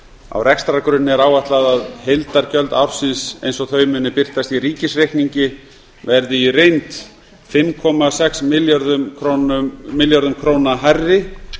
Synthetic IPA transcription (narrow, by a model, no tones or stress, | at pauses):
a̰wrɛkst̪ɾaɾkɾʏnnːɪɛɾaːwvaht̪laðaðhejlt̪aɾ̥cœlt̪afsɪnsejnsɔɣθœːɥmʏnːɪpɪr̥t̪ast̪iriːcɪsrejhkniɲcɪ | vɛɾðɪirejnt̪ | fɪmkʰɔmasɛksmɪljaɾðʏmkʰɾonʏmɪljaɾðʏmkʰɾoːwnaɦajrɪ